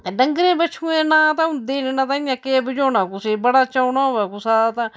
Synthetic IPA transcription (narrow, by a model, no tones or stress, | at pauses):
t̪eɖəŋɡɾẽːbət͡ʃʰũːẽːnãːt̪ãd̪eːnnãːt̪ãːɪjãːkeːbəd͡ʒoːnãːkʊseːbəɽaːt͡ʃaːnaːɦoʋɛːkʊsaːt̪ãː